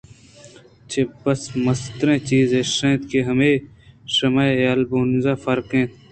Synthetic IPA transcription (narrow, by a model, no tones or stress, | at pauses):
t͡ʃʰebɐsmɐst̪ɾẽːt͡ʃiːzeːʂẽːt̪keɦɐmeː | ʂɐmaːjaːlbunzaːfɐɾkẽː